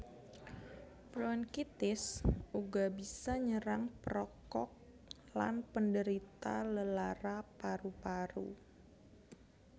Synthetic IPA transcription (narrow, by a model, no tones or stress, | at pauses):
bɾɔnkit̪ɪsuɡabisaɲəɾaŋpɾɔkɔk̚ | la̰npəndəɾit̪a̰ləlaɾapaɾupaɾṵ